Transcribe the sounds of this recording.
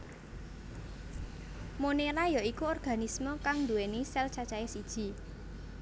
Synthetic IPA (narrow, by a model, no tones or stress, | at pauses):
moneɾajɔikuɔrɡ̥a̤nismɔkaŋnd̪uwenisɛlt͡ʃat͡ʃaesid̥ʒ̥i̤